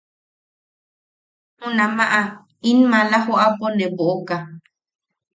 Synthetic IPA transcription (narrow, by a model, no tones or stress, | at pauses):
hũnãmãʔa | inmãlahoʔaponẽboʔoka